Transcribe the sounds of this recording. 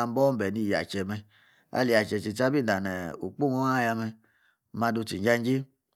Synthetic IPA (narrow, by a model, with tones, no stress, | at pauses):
a˧m˦bɔ˦m̩˦bɛ˨ni˧˨ja̰˨t͡ʃɛ˨mɛ˧ | a̰˧li˨ja˨t͡ʃɛ˨t͡ʃi˨ta˦bi˦˨da˨nɛ˨ṵ˨k͡pu˦˨wɔ˦a˦˨ja˧mɛ˧˨ | ma˧du˧ti˨ɲd͡ʒa˦n˦d͡ʒe˦